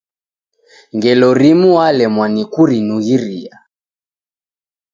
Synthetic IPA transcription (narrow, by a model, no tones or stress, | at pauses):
ŋɡɛlɔɾimuwalɛmwanikuɾinuɣiɾḭa